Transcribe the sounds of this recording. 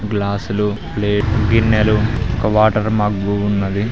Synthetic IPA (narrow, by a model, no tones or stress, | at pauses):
ɡlaːsulupleːɡinːeluɔkɐʋaːʈɐɾmaɡːuunːɐd̪i